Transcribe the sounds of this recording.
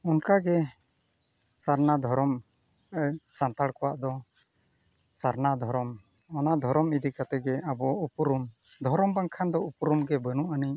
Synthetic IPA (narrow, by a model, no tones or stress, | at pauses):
ɔnkaɡɛ | saɾnad̪ʱɔɾɔm | sant̪aɽkɔwaʔd̪ɔ | saɾnad̪ʱɔɾɔmɔnad̪ʱɔɾɔmid̪ikat̪ɛɡɛabɔupɾumd̪ʱɔɾɔmbaŋkʰand̪ɔupɾumɡɛbənuʔaniɲ